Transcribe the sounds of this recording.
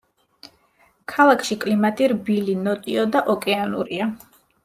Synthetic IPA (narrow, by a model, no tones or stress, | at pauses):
kʰalˠakʰʃikʼlimat̪ʼiɾbilinɔt̪ʼiɔd̪aʔɔkʼɛanṵɾia